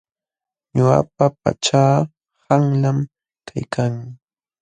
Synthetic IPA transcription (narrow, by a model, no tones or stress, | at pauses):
ɲʊa̰papa̰t͡ʃaː | haŋlam | kʰajkʰaŋ